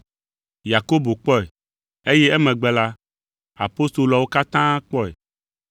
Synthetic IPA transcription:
ja˨ko˦bo˨k͡pɔ˦ɛ˨ | e˦jɛ˦ɛ˦mɛ̃˨ɡ͡bɛ˦la˦ | a̰˨po˦st̪o˨lɔ˨wo˦ka˦t̪ã˦k͡pɔ˦ɛ̰˨

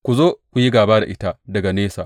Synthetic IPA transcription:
kʷu˨zoː˦kʷu˨ji˦ɡaː˨baː˦da̰˨ʔɪ˦ta˦dɐ˨ɡa˨neː˦sa̰ː˨

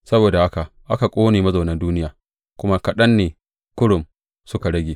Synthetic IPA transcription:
sɐ˦boː˨da˨ha˦ka˨ʔa˦ka˨kʷʼoː˦neː˨mɐ˦zoː˨nɐ˦nduː˦nɪ˦jaː˨ | kʷʊ˦ma˦kɐ˨ɗɐ˦nːeː˨ | kʊ˦ɽʊ˨m | sʊ˦ka˨ɽɐ˦ɡʲeː˨

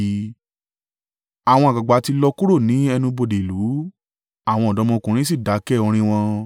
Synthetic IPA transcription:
a˨w̃ɔ̃˧a˨ɡ͡ba˨ɡ͡ba˨˦ti˧lɔ˧ku˦ɾo˦˨nĩ˨˦ɛ˧nũ˧bo˧˨de˨lu˨˦ | a˦˨w̃ɔ̃˧˨dɔ˨˦mɔ̃˧kũ˨ɾĩ˨˦s̬i˦˨da˨˦kɛ˦˨ɔ˧ɾ̃ĩ˧w̃ɔ̃˧

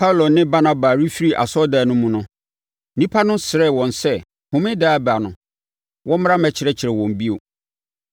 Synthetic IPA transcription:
pʰa˦wlo˨nɪ̃˦ba˦nã˨ba˨ɾi˦fi˦ɾi˨ʔa̰˨sɔ˦daː˨nʊ̃˦mũ˨nʊ̃˦ | nĩ˦pʰa˦nʊ̃˦sɪ˨ɾɛ˦˨wɔ̃˨nsɛ˦ | hʊ̃˨mɪ̃˦daː˦˨ba˨nʊ̃˨ | wʔɔ̃˦m˦ɾã˦mɛ˨t͡ɕʰɪ˨ɾɛ˦t͡ɕʰɪ˨ɾɛ˨wɔ̃˨m˨bi˦o˨

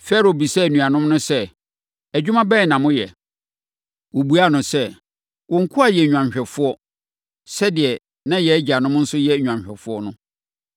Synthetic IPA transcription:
fɛ˦ɾo˨bi˨sɛ˦˨nũ˨a˨nʊ̃˦mnʊ̃˦sɛ˦ | æ˨d͡ʑᶣu˦mã˦bɛː˦˨nã˨mʊ̃˦jɛ˨ | wo˨bu˦a˦˨nʊ̃˨sɛ˦ | wɔ̃˨ŋ̩˦kʰʊ˦a˨jɛ˨ɲᶣu˨ã˨ɲɕᶣɛ˨fʊ˦ɔ˦ | sɛ˦dɪ˨ɛ˨ | nã˦jɛ˨˦d͡ʑi˨a˨nʊ̃˦m˦n̩˦sʊ˦jɛ˦˨ɲᶣũ˨ã˨ɕᶣɛ˨fʊ˦ɔ˦nʊ̃˦

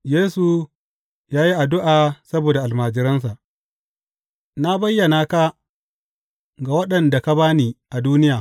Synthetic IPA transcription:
jeː˦su˨ | jaː˦ji˦ʔa˨dʊ˦ʔaː˨sɐ˦boː˨da˨ʔa˨lmaː˨d͡ʒɪ˨ɾɐ˦ns̬a˨ʔ | na˦bɐ˦jːɐ˨naː˨ka˦ | ɡa˨wɐ˦ɗɐ˨nda˨ka˦baː˦niː˨ʔa˨duː˦nɪ˦jaː˨

